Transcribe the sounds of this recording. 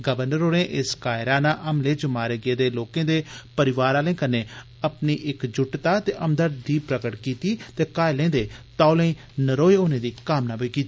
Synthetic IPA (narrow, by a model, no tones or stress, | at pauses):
ɡəbəɾnəɾoːɽẽːʔɪskaːɪɾaːnãːʔəmleːd͡ʒmaːɾeːɡeːd̪eːloːkẽːd̪eːpəɾɪʋaːɾaːləĩːkəneː | əpniːʔɪkd͡ʒʊʈt̪aːt̪eːʔəmd̪əɖiːpɾəkəʈkiːt̪iːt̪eːkaːelẽːd̪eːt̪aːolə̃ĩː | nəɾoːeoːnẽːd̪iːkaːmnaːpoiːkiːt̪i